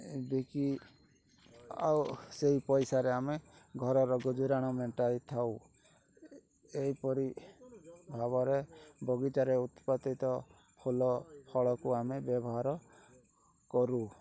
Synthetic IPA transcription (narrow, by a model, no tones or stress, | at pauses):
d̪eki | a̰wseɦipɔjsaɾeameɡʱɔɾɔɾɔɡud͡ʒuɾaɽ̃ɔmeʈalit̪ʰaw | eɦipɔɾi | bʱabɔɾebɔɡit̪aɾeut̪pat̪it̪ɔ | kʰolɔpʰɔɭɔkuamebjɔbɔɦaɾɔ | kɔɾu